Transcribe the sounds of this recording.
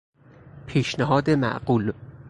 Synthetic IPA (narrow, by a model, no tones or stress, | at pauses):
pʰiːʃnæɦɒːd̪emæ̰ʔɢuːl